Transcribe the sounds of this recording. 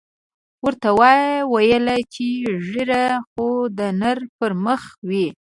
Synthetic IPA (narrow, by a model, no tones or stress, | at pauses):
wəɾt̪awɑjwajəlat͡ʃeʒiɾaxod̪ənaɾpəɾməxwi